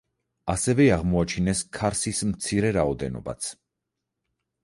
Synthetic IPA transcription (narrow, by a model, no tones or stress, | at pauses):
asɛvɛaʁmɔat͡ʃʰinɛskʰaɾsismt̪sʰiɾɛɾaɔd̪ɛ̰nɔ̰ba̰t̪sʰ